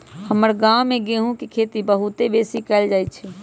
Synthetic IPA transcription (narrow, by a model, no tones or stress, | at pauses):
həməɾɡãwmeɡeɦũkikʰet̪ibəɦut̪ebesikɛld͡ʒajt̪̚t͡ʃʰɛ